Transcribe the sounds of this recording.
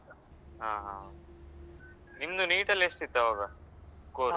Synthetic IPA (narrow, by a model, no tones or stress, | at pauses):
ɦaːɦa | nimd̪uniːʈɐlːeʂʈit̪ːɐʋaːɡɐkoː